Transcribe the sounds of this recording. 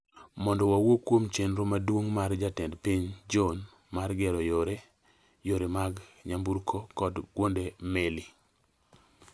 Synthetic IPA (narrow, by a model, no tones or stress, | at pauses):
mɔndɔwawokwomt͡ʃenɾomadwoŋmard͡ʒatɛndpiɲd͡ʒɔn | marɡɛɾɔjoɾe | joɾemaɡɲambuɾkʰokɔdɡwondemeli